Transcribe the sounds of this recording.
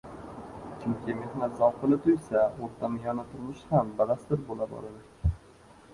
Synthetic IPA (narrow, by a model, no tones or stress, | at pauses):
t͡ʃʰʊŋkʲɪme̞hnat̪zawqʰɨlɪt̪ʰʊjsaoɾt̪ʰamɪjɒnat̪ʰʊɾmʊʃhambalast̪ɪɾbolabɒ̰lad̪ɪ